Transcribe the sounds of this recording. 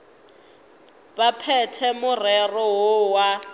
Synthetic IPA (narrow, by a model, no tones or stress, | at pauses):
bapʰɛtʰɛmʊrɛrɔɦʊwa